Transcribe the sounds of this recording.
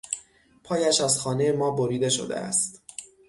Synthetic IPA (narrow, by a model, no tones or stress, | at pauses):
pʰɒːjæʃæzxɒːneje̞mɒːboɾiːd̪e̞ʃo̰d̪ḛæ̰st̪